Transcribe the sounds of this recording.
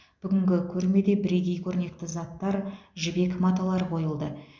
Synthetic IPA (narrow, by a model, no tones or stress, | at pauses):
b̥ʏɡʲɪŋɡʲɪkʲʰɵɾme̞d̪e̞bɪɾejɡʲe̞jkʲʰɵɾne̞k̚t̪ɪzɑt̪ːɑɾʒɪbe̞kmɑt̪alˠɑɾqʰo̞jəlˠd̪ə